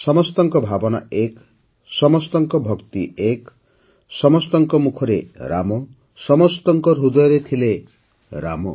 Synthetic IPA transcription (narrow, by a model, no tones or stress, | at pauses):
sɔmɔst̪ɔŋkɔbʱabɔna̰ek | sɔmɔst̪ɔŋkɔbʱɔkt̪iek | sɔmɔst̪ɔŋkɔmukʰɔɾeɾa̰mɔ | sɔmɔst̪ɔŋkɔɾɦud̪ɔjɔɾet̪ʰile | ɾa̰mɔ̰